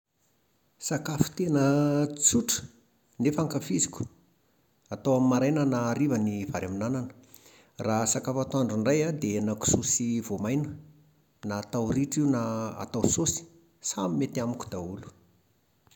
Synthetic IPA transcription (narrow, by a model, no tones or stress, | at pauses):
sakafu̥t̪enət͡suʈ͡ʂə̥ | nefaŋkafizikʲu̥ | at̪awamimaɾajnənaːɾivənivaɾaminananə̥ | rasakafat̪aɳɖ͡ʐuɳɖ͡ʐajad̪enaku̥susivomajnə | naːt̪awriʈ͡ʂiunaa̰t̪awsosi̥ | samimet̪iamiku̥d̪aulu̥